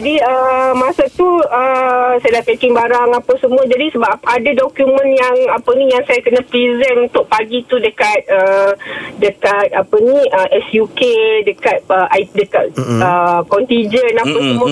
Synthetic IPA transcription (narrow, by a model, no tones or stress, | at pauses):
d͡ʒadiəmãsat̪uəsajadaʔpakɪŋbaɾaŋapasəmũad͡ʒadisəbapadadɔkjumə̃njaŋapənĩjaŋsajakənə̃pɾizənũnt̪ʊʔpaɡit̪udəkat̪̚ə | dəkat̪̚apənĩʔəʔɛsjukedəkat̪̚əʔdəka̰t̪̚əkɔnt̪id͡ʒənapasəmũa